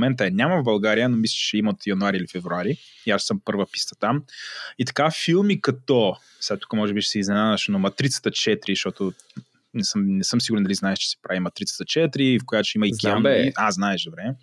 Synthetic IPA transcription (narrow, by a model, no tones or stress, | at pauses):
mɛnt̪əɛnʲaməvbɐlˠɡaɾijənomislʲi̥ʃt͡ʃɛimɐot̪jɐnuaɾiilifɛvɾuaɾi | iaʃsəmpɤɾvəpi̥st̪ə̥t̪amit̪ɐ̥kafilˠmikɐt̪ɔ | sat̪u̥kəmɔʒɛbiʃɛ̥sɛiznɛnaðəʃnomɐt̪ɾit̪sə̥t̪ət͡ʃɛt̪ɾiʃt̪ɔt̪ʊ | nɛsəmnɛsɤmsiɡʊɾɛnd̪ɐliznaɛʃt͡ʃɛ̥sɛ̥pɾʔavimɐt̪ɾit̪sə̥t̪ət͡ʃɛt̪ɾifkojat͡ʃɛimɐikʲɛaznaɛʃd̪obɾɛ